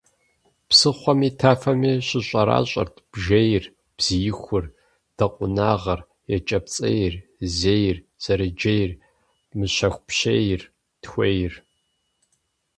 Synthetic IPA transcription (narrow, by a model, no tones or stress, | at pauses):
psɨχʷɔmiːtʰaːfɐmiːɕɪɕʷʼɐɾa̰ːɕʼɐ̰rtʰb̥ʒejr | b̥z̥ijɪxʷʊr | d̥ɐqʷʼʊnaːʁɐr | jɛt͡ʃʼɐp̚t͡sʼɐ̰jɪrzeːjr | z̥ɐɾɨd͡ʒejr | mɨɕɐxʷpɕejɪr | txʷejɪr